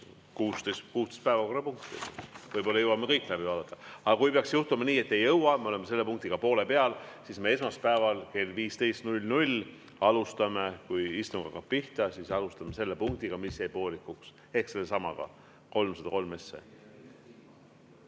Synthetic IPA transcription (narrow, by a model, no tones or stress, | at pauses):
kuːst̪ejst̪kuːst̪e̥st̪pæevɑko̞rːˑɑpuŋk̚t̪ḭvɤjbo̞lːɑjɤwɑmːekɤjkːˑlæbivɑːd̪ɑt̪ːˑɑɑɡ̥ɑkujpeɑksjuht̪umɑniːe̞t̪ːe̞jɤwɑmeo̞lemese̞lːe̞puŋk̚t̪iɡ̥ɑpo̞ːle̞pe̞ɑlsisme̞e̞smɑspæevɑlke̞lviːst̪e̞jst̪nulʲnulʲ | ɑlust̪ɑme̞kujist̪uŋɡ̥ɑ̰kɑpiht̪ɑsisɑlust̪ɑmese̞lːepuŋk̚t̪iɡ̥ɑmisjejpo̞ːlikːˑuks | e̞hkse̞lːesɑmɑ̰ɡ̥ɑ̰ | ko̞lmsɑd̪̥ɑ̰ko̞lme̞sːḛ